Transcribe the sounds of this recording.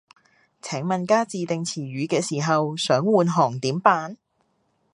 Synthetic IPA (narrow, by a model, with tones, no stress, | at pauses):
t͡sʰɛː˨˥ŋmɐ˨nkaː˥t͡siː˨˧t̪ɪ˨ŋt͡sʰiː˨˩ɥyː˨˧kɛː˧siː˨˩ɦɐ˨wsœː˨˥ŋwuː˨nɦɔː˨˩ŋt̪iː˨˥mpaː˧n